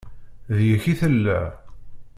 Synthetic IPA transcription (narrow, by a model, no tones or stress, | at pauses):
ðjəçiθəlːæ